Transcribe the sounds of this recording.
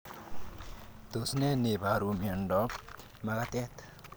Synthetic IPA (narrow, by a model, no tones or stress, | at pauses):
t̪osnɛnebʱaɾumeɳɖɔ | maɡat̪ɛt̪